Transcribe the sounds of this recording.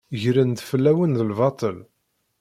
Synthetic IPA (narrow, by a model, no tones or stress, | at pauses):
ʝɾənd̪fəlːæwənðəlvɑt̪ˤəl